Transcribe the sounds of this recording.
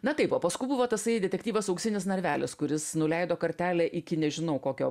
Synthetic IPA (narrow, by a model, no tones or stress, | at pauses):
nɐt̪ɐɪpoːpɐskʊɪbʊʋoːt̪ɐsɐɪd̪ʲɛt̪ʲɛkʲtʲiːʋɐsɐʊksʲɪnʲɪs̬nɐɾʲʋʲæːlʲɪskʊɾʲɪsnʊlʲɛɪd̪oːkɐɾʲt̪ʲæːlʲɛːʔɪkʲɪnʲɛʒʲɪnɐʊkoːkʲo̰ː